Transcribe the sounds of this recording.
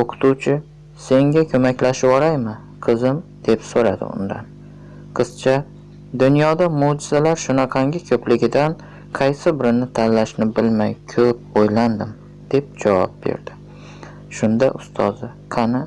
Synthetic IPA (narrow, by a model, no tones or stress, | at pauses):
oqʰɨ̥t̪ʰut͡ʃʰɪ | se̞ŋɡʲakʲʰɵmakʲlaʃɪɒɾajmɪ | qʰɨzɪmd̪̥e̞psoɾa̰d̪ɪ̰ʊ̰nd̪a̰n | qʰɨz̥t͡ʃʰa | d̪ʊnjɒd̪amʊd͡ʒɪzalaɾʃʊnɑqʰɑŋɡʲɪkʲʰɵplɪɡʲɪd̪an | qʰɑjsɪbɪɾɪnɪt̪ʰanlaʃnɪbɪlmajkʲʰɵp̚ojland̪ɪm | d̪̥e̞p̚d͡ʒavɒ̰p̚bḛɾd̪̥ɪ | ʃʊnd̪a̰ʔʊst̪ʰɒzɪ | qʰɑnɪ